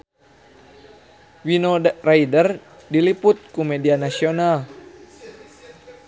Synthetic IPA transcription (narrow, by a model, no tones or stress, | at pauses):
winoraidərdiliput̪̚kumɛdianasional